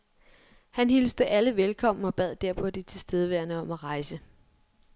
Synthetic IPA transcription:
hænhilsd̥əʔæləʋelkʰɒ̽m̰̩ɒ̽b̥ɛð̰ˠd̥æɐpʰɒ̽d̥it͡sʰe̝sd̥eð̞ˠəʋæɐnəɒ̽mæʁɑ̈ɪsə

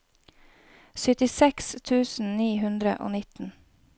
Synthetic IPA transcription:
sʏt̪ɪsɛkst̪ʰʉːsn̩niːhʉnd̪ɾə̰ʔo̰ːnɪt̪n̩

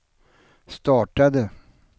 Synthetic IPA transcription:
st̪ɑːʈad̪ə

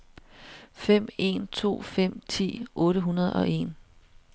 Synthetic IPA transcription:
fem̰e̝̰nt͡sʰo̝̰ːfem̰t͡sʰḭːʔɔ̽ːɾəɦunɐð̞ˠɒ̽e̝̰n

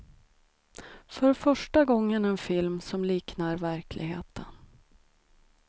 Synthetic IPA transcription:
fœɾfœʂʈaɡɔŋːənɛnfɪlmsɔmliːknaɾvæɾkʰlɪ̰ɡɦḛːt̪ʰən

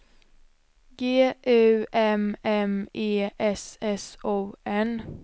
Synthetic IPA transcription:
ɡeːʔœʉʔɛmɛmeːʔɛsɛsoːɛn

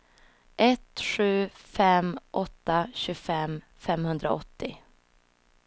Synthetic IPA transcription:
ʔɛt̪ɧʉ̟ːfɛmʔɔt̪ːaɕɵfɛm | fɛmhɵnd̪ɾa̰ɔt̪ːɪ

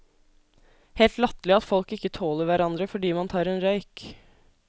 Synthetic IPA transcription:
heːlt̪lɑt̪lɪɑt̪fɔlkɪkːət̪ʰoːləɾʋæɾɑnd̪ɾəfɔɖiːmɑnt̪ʰɑːɾɛːnɾœʏk

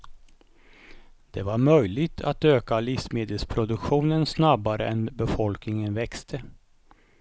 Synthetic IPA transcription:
d̪̥ɛvaɾmœjlɪɡt̪ʰa̰t̪øːkalɪfsmeːd̪əlspʰɾʊd̪ɵkɧuːnənsnabaɾə̰ʔɛnbɛfɔlknɪŋənvɛkst̪ʰə

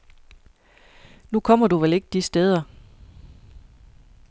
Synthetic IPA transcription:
nukʰɒ̽m̰ɐduʋele̝ɡ̥̚d̥isd̥eð̞ˠɐ

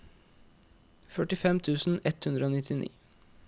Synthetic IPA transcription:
fœʈɪfɛmt̪ʰʉːsn̩ɛt̪hʉnd̪ɾəoːnɪt̪ʰɪnʔḭː

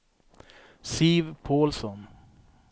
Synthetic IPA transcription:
siːvpʰoːlsɔn

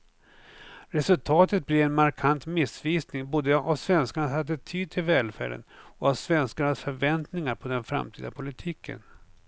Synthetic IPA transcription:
ɾɛsɵlt̪ʰɑːt̪ət̪̚blɪɛnmaɾkʰant̪mɪsviːsnɪŋbuːd̪əavsvɛnskaɳashad̪ət̪ʰyːd̪̚t̪ʰɪlvɛːlfæ̰ːɖə̰nɔavsvɛnskaɳasfœɾvɛnt̪nɪŋaɾpʰɔd̪ɛnfɾa̰mt̪ʰḭːd̪a̰pʰʊlɪt̪ʰiːkʰə̰n

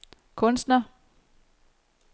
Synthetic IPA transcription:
kʰɔ̽nsd̥nɐ

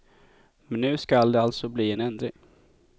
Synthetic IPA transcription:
mɛnːʉ̟ːskald̪ɛalt̪sɔbliːɛnɛnd̪ɾɪ̰ŋ

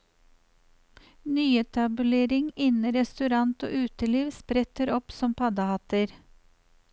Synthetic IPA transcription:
nyːɛt̪ʰɑbʉleːɾɪŋɪnəɾɛst̪ʉɾɑnt̪o̰ːʔʉːt̪əliːʋspɾɛt̪əɾɔpsɔmpʰɑd̪ɑhɑt̪əɾ

